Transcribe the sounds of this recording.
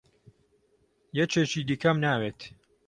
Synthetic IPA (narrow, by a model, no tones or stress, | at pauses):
jɛt͡ʃʰeːʃiːd̪iːkɐmnaːweːt̪